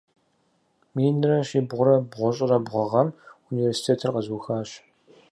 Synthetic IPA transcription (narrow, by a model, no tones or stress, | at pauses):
miːnɨrɐɕiːbʁʷʊɾɐbʁʷʊɕʼɪrɐbʁʷɔʁɐmuniveːrsi̥tʰeːtʰɨrqɐzuːxaːɕ